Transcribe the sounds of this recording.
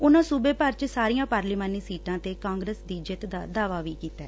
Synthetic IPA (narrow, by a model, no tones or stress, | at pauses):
ʊnãːsuːbeːpəɾt͡ʃsaːɾijãːpaːɾliːmaːniːsiːʈãːt̪eːkãːŋɡɾəsd̪iːd͡ʒɪt̪d̪aːd̪aːʋaːʋiːkiːt̪aɛ